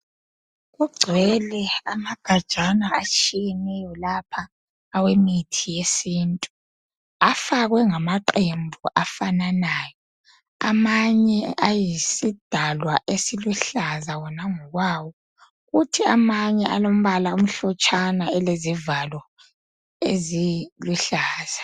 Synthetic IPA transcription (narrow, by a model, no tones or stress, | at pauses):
ɣuɡ͡ǀʱwɛlɛamaɡ̥ʱad̥ʒ̥ʱanaat͡ʃʼiɣɛnɛjɔlapʰaː | wemitʰijesiːntʼu | afaɣwɛŋamaǃembʱuʔafananaːjɔ | amaɲɛajisid̥ʱalwaʔesiluɬazawɔnaŋɔɣwawɔ | ɣutʰiamaɲɛʔalom̩βalaum̩ɬɔt͡ʃʼanaɛlezivalɔ | eziluɬaːz̥a